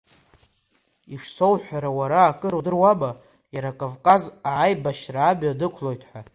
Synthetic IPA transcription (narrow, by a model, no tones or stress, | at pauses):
iʂso̞wħʷᶣaɾawaɾaːkʼɨɾudɨrwaba | jaɾakʼovkʼazaʕajbaʃraːbadɨkʷʰlo̞jtʰʼħʷa